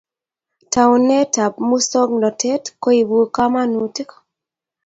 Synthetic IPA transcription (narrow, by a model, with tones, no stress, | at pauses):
ta˨u˨nɛ˦ta˨p̚mu˦sɔ˦ɡnɔ˨tɛ˦tko˦i˨bu˨ka˦ma˦nu˨tɪ˦kɔ̥